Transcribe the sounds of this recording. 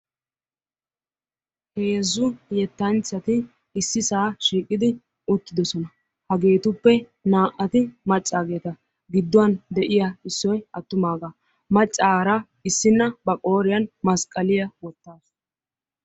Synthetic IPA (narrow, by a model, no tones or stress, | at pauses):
heːzːʊjɛt̪ːɐnt͡sːɐt̪ɪ | ɪsːɪsaːʃiːkʼːɪd̪ɪ | ʊt̪ːɪd̪ɔsɔnɐ | hɐɡe̞ːt̪ʊpːɛ | naːʔɐt̪ɪmɐt͡ʃʼːaːɡe̞ːt̪ɐ | ɡɪd̪ːʊwɐnd̪ɛʔɪjaɪsːɔjɐt̪ːʊmaːɡa | mɐt͡ʃʼːaːɾa | ɪsːɪnːɐbɐkʼo̞ːɾɪjɐnmɐskʼɐlɪjɐwɔt̪ːaːs